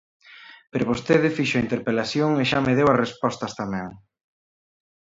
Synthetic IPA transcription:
peɾoβost̪eðɪfiʃʊaint̪eɾpelaθjoŋeʃameðewɐsrespɔst̪ɐst̪amɛ̃ŋ

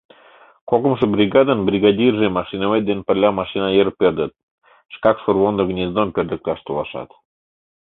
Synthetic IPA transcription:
kokə̆mʃɤ̆brʲiɡɑd̪ənbrʲiɡɑd̪ʲirʒemɑʃinəβet̪̚d̪enpə̆lʲɑmɑʃinɑjəɾpʲerd̪ə̆t̪̚ | ʃkɑkʃurβond̪ŏɡnʲezd̪ompʲerd̪ə̆k̚lʲɑʃt̪olɑʃɑ̰t̪

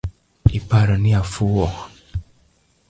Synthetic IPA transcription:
ipaɾɔniafuwɔ

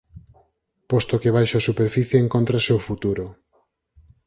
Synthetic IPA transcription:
post̪okeβajʃaːsupeɾfiθjeːŋkont̪ɾasewfut̪uɾo

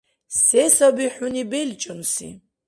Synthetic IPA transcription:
sɛsɐbiħunibɛlt͡ʃʼɐnusḭ

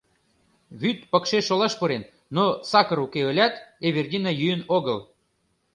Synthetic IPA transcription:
βyt̪pə̆kʃeʃolɑʃpuɾenːosɑkə̆ɾukeølʲæt̪eβerdʲinɑjyjənoɣəl

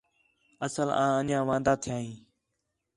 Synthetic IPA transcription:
əsəlã̰ːənjãːʋãːnd̪aːt̪ʰɪjãːɦĩː

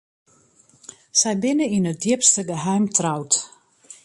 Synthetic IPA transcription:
sɛjbɪnəinət̚djɪpstəɡəɦœɥmtrawt

